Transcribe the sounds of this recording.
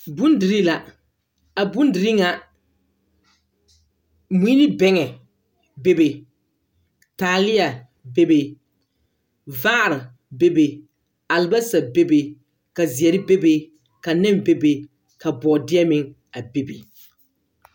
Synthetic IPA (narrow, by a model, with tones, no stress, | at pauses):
bu˦ndɪ˨ɾi˦la˨ | a˨bu˦ndɪ˨ɾi˦ŋa˨ | mu˦nɪ˦bɛ˦ŋɛ˨ | be˦be˨ | taː˨lɪ˦a˨ | be˦be˨ | vaː˦˨ɾɪ˨ | be˦be˨ | a˨lba˦sa˨be˦be˨ | ka˨zɪ˨ɛ˨ɾɪ˦be˦be˨ | ka˨nɛ˦mbe˦be˨ | ka˨bɔː˨dɪ˦ɛ˦mɪ˦ŋ | a˨be˦bḛ˨